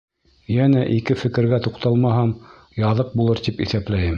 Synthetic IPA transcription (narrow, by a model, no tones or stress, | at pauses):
jænæʔikɘfɘ̆kɘ̆ɾɡæt̪uqt̪ɑlˠmɑɦɑm | jɑðɤq̚bulˠɤɾt̪ipḭθæplæjɘm